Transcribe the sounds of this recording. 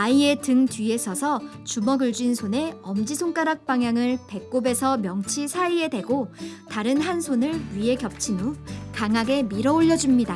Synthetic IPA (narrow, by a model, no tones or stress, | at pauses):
aie̞tɯŋtɥie̞sʰʌsʰʌt͡ɕumʌɡɯɭd͡ʑinsʰone̞ʌmd͡ʑisʰoŋk͈aɾak̚p͈aŋɦjaŋɯɭpe̞k̚k͈obe̞sʰʌmjʌŋt͡ɕʰisʰaie̞dwe̞ɡotaɾɯnɦansʰonɯɭɥie̞kjʌp̚t͡ɕʰimukaŋɦaɡe̞miɾʌoʎːʌd͡ʑumɲida